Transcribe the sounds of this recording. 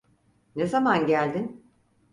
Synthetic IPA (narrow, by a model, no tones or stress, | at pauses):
ne̞zamanɟælʲd̪in